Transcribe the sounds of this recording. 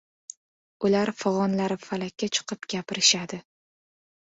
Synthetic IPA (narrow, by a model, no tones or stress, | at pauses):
ʊlaɾfɨʁɒnlaɾɪfalakʲːat͡ʃʰɨ̥qʰɨpɡʲapɪɾɪʃad̪ɪ